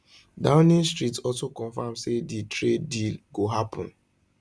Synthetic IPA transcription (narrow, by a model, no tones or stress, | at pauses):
dãʊ̃nĩnstɾitɔlsokɔ̃nfãmseditʰɾedilɡoɦapʰɔ̰̃n